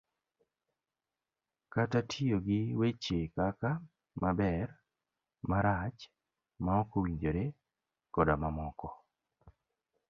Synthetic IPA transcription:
katatʰioɡɪwet͡ʃekaka | mabɛr | maɾat͡ʃ | maɔkowiɲd͡ʒoɾe | kɔdamamɔkɔ

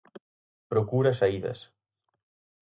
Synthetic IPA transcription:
pɾokuɾɐsaiðɐ̰s

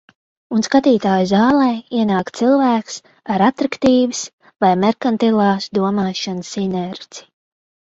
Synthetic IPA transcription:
unskat̪iːt̪aːjuzaːlˠɛːiɛnaːkt̪silˠvæːks | aɾat̪ɾakt̪iːvɨs | vajmɛɾkant̪ilˠaːsd̪uɔmaːʃanɨsinɛɾi̥

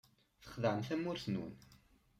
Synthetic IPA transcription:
θə̥χðəʕəmθæmʊɾθnṵn

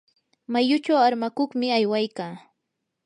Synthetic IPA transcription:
majʊt͡ʃawaɾmakoχmɪajwajkaː

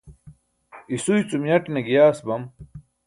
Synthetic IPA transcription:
isujt͡sumjɐʈnɐɡijaːsbɐm

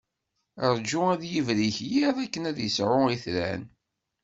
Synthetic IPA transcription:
ɾˤd͡ʒʊæðjivɾiçjiðˤækːənæðjəsʕʊiθlæ̰n

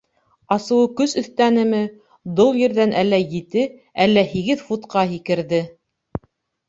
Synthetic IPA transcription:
ɑsɤ̆wɤkɵsɵ̆θt̪ænɘ̆mɘ | d̪ow̪ˠjɘ̆ɾðænʔælːæjɘt̪ɘælːæhiɡɘðfut̪qɑɦikɘ̆ɾðɘ

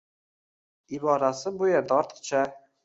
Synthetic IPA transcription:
ibɒɾasɪbʊjeɾd̪ɒɾt̪t͡ʃʰa

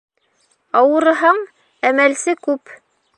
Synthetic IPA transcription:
ɑwɤ̆ɾɤ̆ɦɑɴ | æmælsɘkʉp

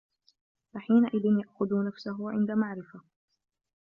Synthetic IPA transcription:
faħiːnaʔɪðɪnjaʔxʊðunafsaɦʊʕɪ̰nd̪amaʕɾɪfa

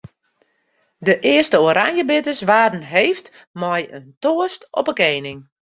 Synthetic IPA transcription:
dəʔɪəstəoɾʔanjəbɪtəsʋaːdn̩ɦejft | mɔjəntoːəstɔpəkeːnɪŋ

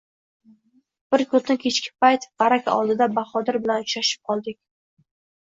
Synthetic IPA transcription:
b̥ɪɾkʰɵt̪ɪkʲʰet͡ʃkʲʰɪ̥pʰajt̪bɑɾakʲʰaɒ̰lˠd̪ɪd̪abaχɒd̪ɪɾbɪlanʊt͡ʃɾaʃɪ̥p̚qʰɒlˠd̪ɪkʲ

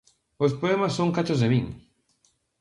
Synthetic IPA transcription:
ospoɛmasːoŋkat͡ʃozðeβiŋ

